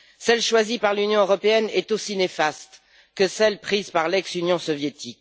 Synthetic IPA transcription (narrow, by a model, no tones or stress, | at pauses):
sɛlʃwazipaʁlynjɔ̃øʁɔpeɛnɛt̪osinefast̪ | kəsɛlpχizpaʁlɛksynjɔ̃sɔvjet̪ʰik